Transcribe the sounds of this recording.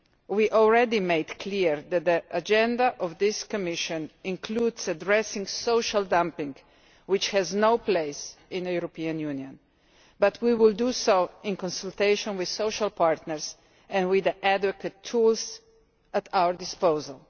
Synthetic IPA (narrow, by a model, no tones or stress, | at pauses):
wiʔɔlˠɹɛdimeɪdkʰliɹd̪ɛt̪̚d̪iʔad͡ʒɛ̃ndaʔɔvd̪ɪskɔmɪʃə̃nɪ̃nkʰluːdsadɹɛsɪ̃ŋsoʊʃaldãmpɪ̃ŋɡ | wɪt͡ʃhɛznoʊpleɪsɪ̃nəjuɾɔpiãnjunjɔ̃n | bat̪ʰwiwɪldusoʊɪ̃nkɔ̃nsəlt̪eɪʃɔ̃nwɪðsoʊʃalpaɹt̪nəɾs | ɛ̃nwɪd̪əʔæd̪ʋɔkətʰːuls | ət̪ʰawəɾdɪspoʊzəl